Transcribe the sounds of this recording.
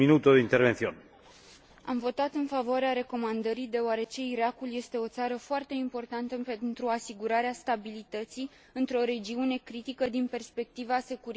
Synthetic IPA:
minut̪od̪eint̪eɾvenθion | a̰mvo̞t̪at̪ɨnfavoaɾeaɾe̞ko̞mand̪əɾid̪e̞oaɾe̞t͡ʃe̞iɾakulje̞st̪e̞o̞t̪saɾəfoart̪e̞impo̞rt̪ant̪əpent̪ɾuasiɡuɾaɾeast̪abilit̪ət̪si | ɨnt̪ɾo̞ɾe̞d͡ʒiune̞kɾit̪ikəd̪inpe̞rspe̞k̚t̪ivase̞kuɾ

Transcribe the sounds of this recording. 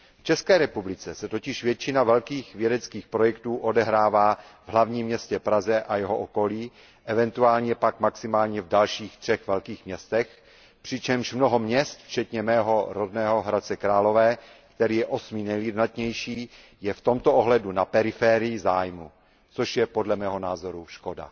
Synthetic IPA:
ft͡ʃɛskɛːɾɛpublɪt͡sɛsɛt̪ocɪʃvjɛt͡ʃɪnavɛlkiːxvjɛdɛt͡skiːxpɾo̞jɛkt̪uːʔo̞dɛɦɾaːvaːvɦlavɲiːmːɲɛscɛpɾazɛʔajɛɦoʔoko̞liː | ʔɛvɛnt̪uaːlɲɛpakmaksɪmaːlɲɛvdalʃiːxt̪r̝̥ɛxvɛlkiːxmɲɛst̪ɛx | pr̥ɪt͡ʃɛmʃmnoɦomɲɛst̪ft͡ʃɛt̪ɲɛmɛːɦo̞ɾodnɛːɦoɦɾat͡sɛkɾaːlo̞vɛːkt̪ɛɾiːjɛʔo̞sminɛjljidnat̪ɲɛjʃiː | jɛft̪o̞mt̪oʔoɦlɛdunapɛɾɪfɛːɾɪjɪzaːjmu | t͡soʃjɛpo̞dlɛmɛːɦo̞naːzo̞ɾuʃko̞da̰

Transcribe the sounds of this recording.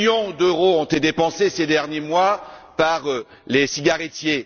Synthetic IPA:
jɔ̃d̪øʁoɔ̃t̪ed̪epɑ̃sesed̪ɛʁnjemwapaʁ | lesiɡʲaʁɛt̪je

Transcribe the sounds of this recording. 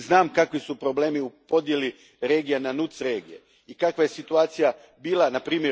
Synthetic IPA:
znaːmkakʋisupɾo̞ble̞ːmiupo̞d̪je̞li | ɾe̞ːɡijenanut̪sɾe̞ːɡije̞̰ | ikakʋaje̞sit̪uaːt̪sija | biːlˠanapɾiːmʲje

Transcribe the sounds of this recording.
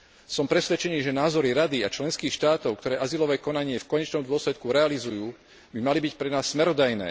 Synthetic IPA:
sɔmpɾɛsʋɛt͡ʃɛniːʒɛnaːzɔɾiɾad̪iat͡ʃlɛnskiːxʃt̪aːt̪ɔʊkt̪ɔɾɛːʔazilɔʋɛːkɔnaɲɪɛfkɔɲɛt͡ʃnɔmd̪ʊɔslɛt̪kuɾɛalizujuː | bimalibicpɾɛnaːsːmɛɾɔd̪ajnɛ̰ː

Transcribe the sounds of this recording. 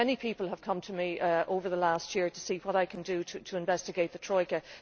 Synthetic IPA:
ɛnipʰiˑpəl̩ˠəv̥kʰʌ̃mtʰəmiʔoʊvə˞ðəlastjɪəɹtʰəsiːwɒɾaɪkʰə̃ndəɾʰətʰəɪ̃ɱvɛstɪɡeɪt̪̚ðətʰɹ̥ɔɪkə

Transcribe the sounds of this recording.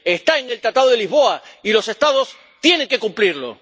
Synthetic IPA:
est̪aenelt̪ɾat̪aðoðeliɦβo̞ailo̞se̞st̪aðo̞s | t̪je̞ne̞ŋke̞kumpliɾlo̞̰

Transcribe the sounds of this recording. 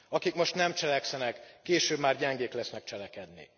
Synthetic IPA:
ɒkikmo̞ʃt̪nɛmt͡ʃɛlɛksɛnɛkːeːʃøːbmaːrɟɛŋɡeːklɛsnɛk̚t͡ʃɛlɛkɛd̪nḭ

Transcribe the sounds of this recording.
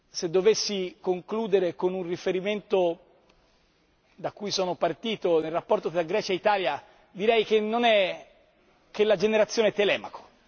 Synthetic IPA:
sed̪ːovesːikoŋkluːd̪eɾekonunrifeɾiment̪o | d̪akːuːjsɔːnopart̪iːt̪onelrapːɔrt̪ot̪ɾaɡɾɛːt͡ʃeit̪aːlja | d̪iɾɛjk̟enːonɛ | kelːad͡ʒeneɾat̪sːjoːneɛt̪ːelɛːmako̥

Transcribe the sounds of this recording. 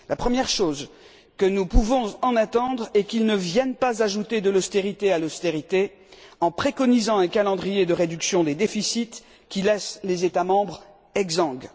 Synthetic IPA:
lapχəmjɛʁʃoz | kənupuvɔ̃ɑ̃nat̪ɑ̃d̪ʁɛkilnəvjɛnpazaʒut̪ed̪əlɔst̪eʁit̪ealɔst̪eʁit̪e | ɑ̃pχekɔnizɑ̃ɛ̃kalɑ̃d̪ʁijed̪əʁed̪yksjɔ̃d̪ed̪efisit̪ | kʲilɛslezet̪amɑ̃bʁ | ɛɡzɑ̃ɡ

